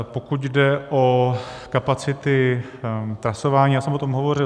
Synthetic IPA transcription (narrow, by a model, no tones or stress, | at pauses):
pokucdɛʔokapat͡sɪt̪ɪ | t̪ɾasovaːɲiːjaːsɛmʔot̪omɦovo̞ɾɪ